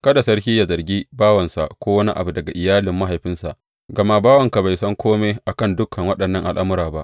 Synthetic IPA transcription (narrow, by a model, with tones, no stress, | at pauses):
kɐ˦da˨sɐ˦ɽhʲiː˦ja˨zɐ˨rɡʲiː˦baː˦wɐ˨nsa˨ʔkʷoː˦wɐ˦ni˦ʔa̰˨bu˨dɐ˨ɡa˨ʔɪ˨jaː˦lɪ˨mːa˦ɦa˨jɸɪ˦nsa̰˨ʔ | ɡɐ˨ma˦baː˦wɐ˨ŋka˨ba˨jsɐ˦ŋkʷoː˦meː˦ʔa˨kɐ˦˨ndʊ˦kʰːɐ˨ŋwɐ˦ɗɐ˨nːɐ˦ŋʔa˨lʔa˦mʊ˦ɾaː˨ba˦ʔ